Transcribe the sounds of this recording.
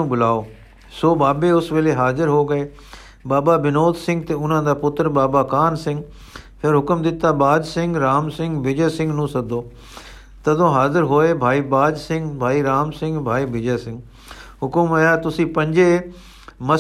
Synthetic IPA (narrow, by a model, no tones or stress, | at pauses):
ũbʊlaːo | soːbaːbeʊsʋeːleɦaːzɪɾɦoːɡɐeː | baːbabɪnoːt̪sɪ̃ŋɡ̚t̪eʊn̤ə̃nd̪aːpʊt̪əɾbaːbakaːnsɪ̃ŋɡ | pʰɪɾɦʊkəmd̪ɪt̪abaːd͡ʒsɪ̃ŋɡɾaːmsɪ̃ŋɡbɪd͡ʒesɪ̃ŋɡnũsɐɡ̚d̪ʱoː | t̪ɐd̪ʱõɦaːzɪɾɦoːebʱaːibaːd͡ʒsɪ̃ŋɡbʱaːiɾaːmsɪ̃ŋɡbʱaːibɪd͡ʒesɪ̃ŋɡ | ɦʊkʊməjat̪ʊsĩpɐ̃ɲd͡ʒe | mɐ